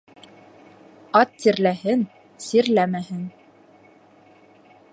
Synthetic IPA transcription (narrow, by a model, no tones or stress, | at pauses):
ɑt̪ːiɾlæhɘn | siɾlæmæhɘn